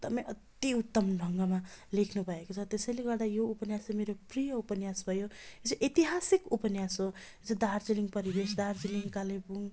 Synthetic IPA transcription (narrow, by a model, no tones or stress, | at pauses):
t̪ʌpãj̃ʌt̪iut̪ːʌmnʱʌŋɡʌmalekʰnubʱʌekot͡sʰʌt̪esʌjleɡʌrd̪ajoupʌnjasemeɾoprijʌupʌnjasbʱʌjoet͡sʰiʔit̪iɦasikupʌnjasɦoet͡sʰod̪ard͡ziliŋɡpʌɾibesd̪ard͡ziliŋkalebuŋ